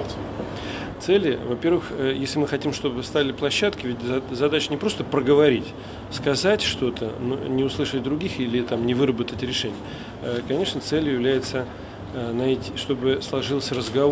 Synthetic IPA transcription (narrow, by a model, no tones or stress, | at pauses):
t̪sɛlʲjɪvɐpʲe̞rvɨxjesʲlʲɪmɨxɐtʲimʂt̪o̞bst̪avʲɪlʲɪplˠɐɕːat̪kʲɪvʲɪtʲzɐd̪at͡ɕɪnʲɪpɾo̞st̪əpɾəɡəvɐɾʲitʲ | skɐzatʲʂt̪o̞t̪ʰə̰nṵnʲɪʊslˠɨʂət̚ʲd̪ɾʊɡʲixilʲɪt̪amnʲɪvɨɾəbət̪ətʲɾʲɪʂɛnʲɪjə | kɐnʲe̞ʂnət̪selʲjʊjɪvlʲæjɪt̪sə | nɐetʲiʂt̪o̞bɨslˠɐʐɨlˠəsʲrəzɡɐ